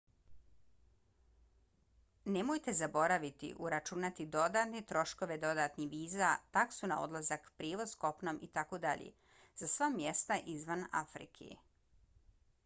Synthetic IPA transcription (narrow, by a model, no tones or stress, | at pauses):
ne̞mojt̪e̞zabo̞ɾaʋit̪ḭʔuɾat͡ʃunat̪id̪o̞d̪at̪net̪ɾo̞ʃko̞ʋe̞d̪o̞d̪at̪niʋiːzat̪aksunao̞̰d̪lˠazakpɾiːʋo̞zko̞pnomʔit̪akod̪aʎḛ | z̥asʋamjest̪aʔizʋana̰fɾḭkʰḛ